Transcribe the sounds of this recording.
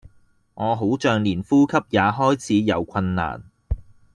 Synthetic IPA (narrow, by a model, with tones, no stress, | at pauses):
ŋɔː˨˧ɦo˨˥wt͡ʃœː˨ŋliː˨˩nfuː˥kʰɐ˥p̚jaː˨˧ɦɔː˥jt͡sʰiː˨˥jɐ˨˧wkʰɐ˧nːa̰ː˨˩n